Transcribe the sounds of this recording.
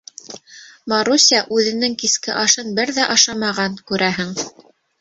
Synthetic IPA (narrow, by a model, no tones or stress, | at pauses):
mɑɾusʲiɑʔʉðɘ̆nɘŋkiskɘʔɑʃɤnbɘɾðæʔɑʃɑmɑʁɑnkʉɾʔæɦɘŋ